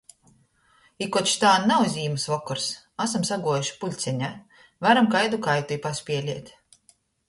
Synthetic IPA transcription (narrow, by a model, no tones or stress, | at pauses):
ikɔt̪ʃt̪aːnnawzʲiːmɨsvɔkɔɾs | asamsaɡuɔjuʃi̥pulʲt̪sʲɛɲa | vaɾamkajd̪ukajt̪ujpasʲpʲiɛlʲiɛt̪